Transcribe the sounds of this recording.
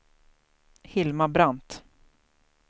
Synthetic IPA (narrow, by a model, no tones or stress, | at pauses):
hɪlmabɾant̪